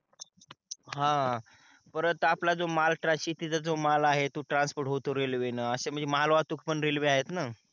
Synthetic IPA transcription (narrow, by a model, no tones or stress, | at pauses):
ɦã | pəɾət̪aplad͡zomalʈɾaɕiːt̪it͡sad͡zomalaɦet̪uʈɾanspoɾʈɦot̪oɾelʋenaəsem̤əɳd͡zeməɦalʋat̪ukʰpəɳɾelʋeaɦet̪na